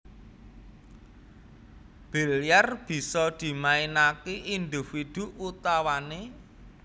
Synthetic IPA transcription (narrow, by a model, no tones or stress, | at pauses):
b̥i̤ljarb̥i̤sɔd̪̥i̤mainakiʔind̪i̤fid̪̥ṳʔut̪awane